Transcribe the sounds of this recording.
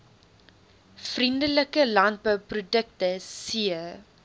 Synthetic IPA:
frindələkəlɐnt̚bœwprudək̚təsiə

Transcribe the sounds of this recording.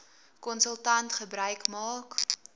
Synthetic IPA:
kɔnsəlˠtɐntχəbrœɥkmɑːk

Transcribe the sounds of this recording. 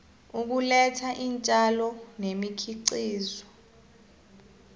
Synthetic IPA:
uk̬ulɛtʰaʔint͡ʃʼalɔnemikʰiǀiːzɔ

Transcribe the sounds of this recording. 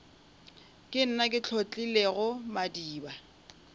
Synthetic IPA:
kʼɪn̩nakʼɪt͡ɬʰot͡ɬʼileɣʊmadiːba

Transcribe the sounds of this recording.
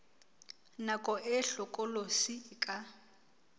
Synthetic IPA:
nakʼɔʔɪɬɔkʼɔlosiːkʼa

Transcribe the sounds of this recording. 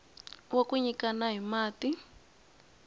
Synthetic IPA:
wokuɲikanaɦimaːti

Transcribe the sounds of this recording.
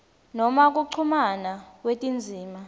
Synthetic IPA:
nɔmak̬ʼuǀʰumanakwetʼind͡zʱiːma

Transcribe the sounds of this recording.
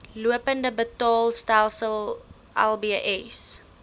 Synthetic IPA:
luəpəndəbətɑːlˠstælˠsəlˠ | ʔɛ̰lˠbiʔɛs

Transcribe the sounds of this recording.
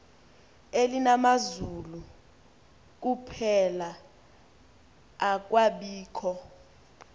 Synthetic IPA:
elinamazulu | k̬upʰɛla | k̬waɓiːkʰɔ

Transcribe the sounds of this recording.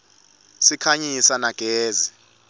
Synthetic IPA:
sikʰaɲisanaɡ̥ʱeːzi

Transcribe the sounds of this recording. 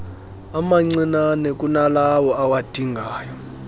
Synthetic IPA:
amaŋ͡ǀinanɛkʼunalawɔʔawad̥ʱiŋɡʱaːjɔ

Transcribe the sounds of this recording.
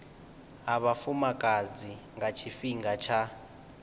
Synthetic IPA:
aβafumakʼad͡ziŋɡat͡ʃʰifiŋɡat͡ʃʰa

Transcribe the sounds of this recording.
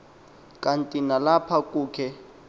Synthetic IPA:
kʼantʼinalapʰakʼuːkʰɛ

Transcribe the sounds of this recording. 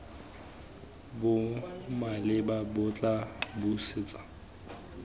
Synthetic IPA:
bʊmalɪbabʊt͡ɬʼabusɪt͡sʼḁ

